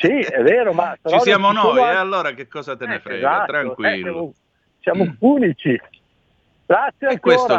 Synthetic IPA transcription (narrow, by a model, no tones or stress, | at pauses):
siɛvːeːɾomapeɾɔsjaːmonoɔalːoːɾakekːɔːzat̪enɛfɾeɛzat̪ɾaokwɛsjamo | sjamopuːnit͡ʃi | ɡ̥ɾat̪sːjeaŋkeoːɾa